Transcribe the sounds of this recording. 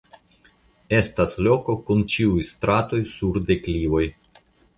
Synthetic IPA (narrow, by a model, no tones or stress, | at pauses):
e̞staslo̞ko̞kunt͡ʃiujst̪ɾato̞jsuɾde̞klivo̞j